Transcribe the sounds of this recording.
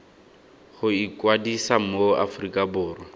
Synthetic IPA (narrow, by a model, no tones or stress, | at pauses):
χʊikʼwadisamoa̰frikʼabʊːrwɔ